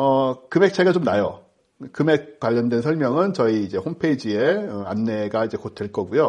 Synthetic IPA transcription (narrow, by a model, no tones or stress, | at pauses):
ʌkɯme̞k̚t͡ɕʰaɡat͡ɕomnajo | kɯmek̚k͈waʎːʌndwe̞nsʰʌɭmjʌŋɯnt͡ɕʌiːd͡ʑe̞hompʰeid͡ʑie̞ʌanːe̞ɡaid͡ʑe̞kotʰweɭk͈ʌɡujo